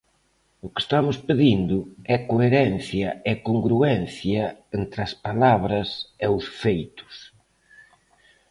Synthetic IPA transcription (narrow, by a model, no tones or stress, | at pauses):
ʊke̥st̪amʊspeðind̪ʊɛkoeɾɛnθjɐɛkoŋɡɾuɛnθjɐent̪ɾɐspalaβɾɐsɛʊsfejt̪ʊ̥s